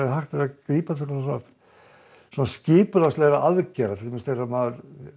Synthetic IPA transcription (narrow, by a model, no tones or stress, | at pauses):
ɦaxt̪ɛɾakɾiːpaɛkans̬ɔna | sɔnascɪːpʏlastlɛːɣɾaʔaðcɛɾaɛ̥t̪mɛst̪eramaːðʏɾ